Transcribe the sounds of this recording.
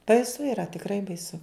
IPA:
bɐɪˈsʊ iːˈrɐ tʲɪkˈrɐɪ bɐɪˈsʊ

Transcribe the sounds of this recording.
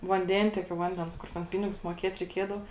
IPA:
ʋɐnʲˈdʲɛnʲtʲiɛkʲoː ˈʋɐnʲdʲɛns ˈkʊr tʲɛn ˈpʲɪnʲɪɡʊs muɔˈkʲiɛt rʲɛɪˈkʲiɛdɐʋɐ

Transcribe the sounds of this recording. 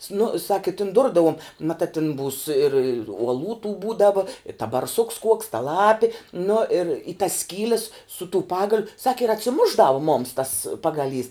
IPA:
snʊ sɐk ɪ tʲɪn ˈdʊrdɐʋoːm mɐˈtɑː tʲɪn buːs ɪr uɔˈlˠuː tuː ˈbuːdɐʋoː ɪr tɐ bɐrˈsʊks kuɔks tɐ ˈlˠɑːpʲɪ nʊ ɪr ɪ tɐs ˈsʲkʲiːlʲɛs sʊ tuː ˈpɑːɡɐlʲʊ ˈsɑːkʲɪ ɪr ɐtʲsʲɪˈmʊʒˌdɑːʋʊ mʊms tɐs ˈpɑːɡɐˌlʲiːs

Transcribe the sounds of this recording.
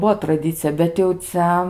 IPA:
ˈbuɔ trɐˈdʲɪt͡sʲɪjɛ bʲɛt jɛʊ ˈt͡sʲɛ

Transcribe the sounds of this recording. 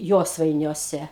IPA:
ˈjoːsʋɐɪnʲuɔsʲɛ

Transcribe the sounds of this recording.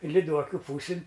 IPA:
lʲɪˈduɔkʲʊ ˈpuːsʲɪn

